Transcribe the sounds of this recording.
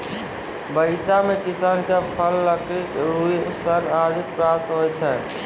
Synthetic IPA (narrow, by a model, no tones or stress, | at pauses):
bəɪt͡ʃamekisaːnkepʰəlːəkʰikɾuisənad͡ʒit̪̚pɾapt̪ɦojt͡ʃʰɛ